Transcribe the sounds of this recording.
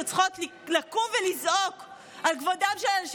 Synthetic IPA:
ot͡sχotlilakumvelizʔok | alkvodamʃeʃ

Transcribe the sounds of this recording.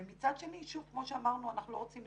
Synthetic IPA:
emit͡sad̪ʃe̞niʃuvkmoʃeamaʁnuanaχnulo̞ot͡sim

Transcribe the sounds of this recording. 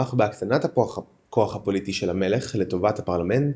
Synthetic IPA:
aχbeaksanatha | koaχhapo̞litiʃelhamele̞χleto̞vathapaʁlame̞nt

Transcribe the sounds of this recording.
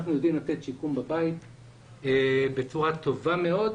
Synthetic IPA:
nχnujo̞d̪imlat̪et̪ʃikumbabait | ebet͡suʁat̪o̞vame̞o̞d

